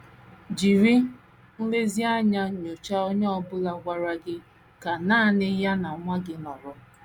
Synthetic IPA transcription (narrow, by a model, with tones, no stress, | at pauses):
d͡ʒi˨ɾi˦ | n̩˦le˦zi˦a˦ɲa˦ɲo˨t͡ʃa˦o˦ɲe˦ɔ˦bʊ˦la˦ɡʷa˦ɾa˦ɡɪ˦ | ka˨naː˦˨nɪ˦ja˦na˨˦ŋʷa˦ɡɪ˦nɔ˨ɾɔ˨